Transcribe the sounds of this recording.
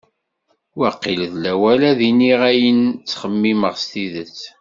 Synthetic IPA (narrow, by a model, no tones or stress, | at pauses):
wəqːilðlæwælæðiniʁæjənt͡sːχəmːiməʁst̪iðət͡sː